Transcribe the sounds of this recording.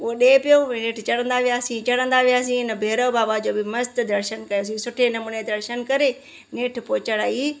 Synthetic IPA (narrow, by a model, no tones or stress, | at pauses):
ʊoɗeːpɪjoːneːʈʰt͡ɕɐɽə̃nd̪aʋijaːsĩt͡ɕɐɽə̃nd̪aʋijaːsĩɪnəbʱeːɾəbaːbad͡ʑoːbɪmɐst̪d̪ɐɾʃənkɐjoːs̬ĩsʊʈʰenɐmʊned̪ɐɾʃənkɐɾe | neːʈʰpoːt͡ɕəɽaːiː